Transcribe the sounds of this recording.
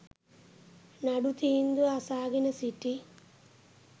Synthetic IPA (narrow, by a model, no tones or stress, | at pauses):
nɐɽut̪ind̪uasaːɡinɐsiʈːi